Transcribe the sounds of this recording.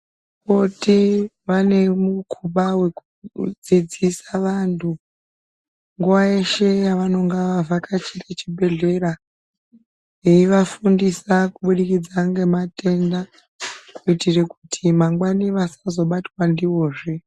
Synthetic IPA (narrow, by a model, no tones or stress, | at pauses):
ko̞ti | ʋane̞mukʰuɓawe̞kud͡zid͡zisaʋantʰu | ŋɡuʋaeʃe̞jaʋano̞ŋɡaʋavʱakʰat͡ʃiret͡ʃibʱe̞ɮe̞ɾa | je̞iʋafundisakuɓuɗikid͡zaŋɡe̞mate̞nda | kuitire̞kutʰimaŋɡwaniʋasazo̞ɓatwandiwo̞ːʐe